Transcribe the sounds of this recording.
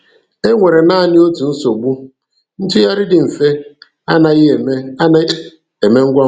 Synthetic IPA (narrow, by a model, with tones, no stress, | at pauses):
e˦ŋʷe˨ɾe˨na˦˨nɪ˦o˦tu˨n̩˦so˨ɡ͡bu˦ | n̩˦tʊ˦ja˦ɾɪ˦dɪ˨m̩˨fe˦ | a˦na˨i˦e˨me˦a˦na˦ | e˨me˦ŋ̩˦ɡʷa˦